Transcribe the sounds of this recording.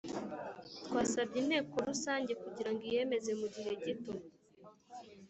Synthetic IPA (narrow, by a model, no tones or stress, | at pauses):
twaːsabɟine̞ːko̞ɾusaːɲɟe̞kuɟiɾaŋɡije̞me̞ze̞muɟiɦe̞ɟitum